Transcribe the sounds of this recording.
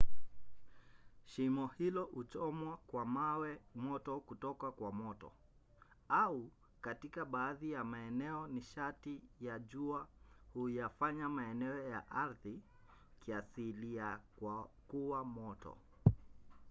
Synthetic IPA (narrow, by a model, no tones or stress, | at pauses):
ʃimɔhilɔut͡ʃɔmwakwamawɛmɔtɔkutɔkakwamɔtɔ̰ | au | katikaɓaːðijamaɛnɛɔniʃatijaʄuahujafaɲamaɛnɛɔjaʔaɾði | kiasilijakwakuwamɔtɔ̰